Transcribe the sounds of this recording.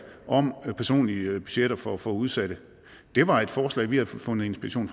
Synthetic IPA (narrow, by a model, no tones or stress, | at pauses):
ʔɒ̽mpʰæɐso̝̰ːnlib̥y̥ɕeɾ̥ɐfɒfɔːuð̞ˠsæd̥ə | d̥e̝ʋɑ̈e̝d̥fɒːslɛ̰ɪʋihæð̩ˠfɔ̽nð̩ˠe̝nsb̥iʁɐɕo̝̰ːnf